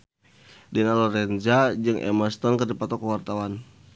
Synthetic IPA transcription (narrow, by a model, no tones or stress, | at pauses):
dɛnalɔɾɛnd͡ʒad͡ʒɨŋʔɛ̰mast̪ɔnkərdipat̪ɔkəwart̪awan